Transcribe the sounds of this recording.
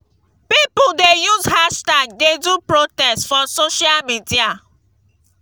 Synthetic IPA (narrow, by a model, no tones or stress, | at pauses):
pipʊldejuzhaʃtaɡ̚dedupɹotɛstfɔsoʃialmidia